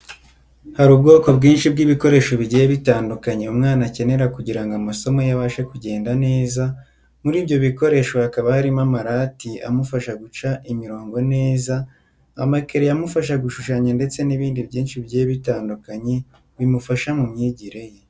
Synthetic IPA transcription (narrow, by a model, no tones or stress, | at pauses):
haɾuːb̚ɡo̞ːko̞bɡiːnʃibɡiːβiko̞ɾe̞ʃo̞βiɟijeβitaːndukaɲeumŋaːnace̞ne̞ɾakuɟiɾaŋɡoamaso̞mo̞jaβaːʃekuɟe̞ːndane̞ːza | muɾiːbɟo̞βiko̞ɾe̞ːʃo̞hakaβahaɾimamaɾaːtiamufaʃaɡut͡ʃaʔimiɾo̞ːŋɡo̞ne̞ːza | a̰makeɾejamufaʃaɡuʃuʃaɲande̞t͡se̞niβiːndibɟiːnʃiβiɟijeβitaːndukaɲe̞ | βimufaʃamumɲiːɟiɾe̞je̞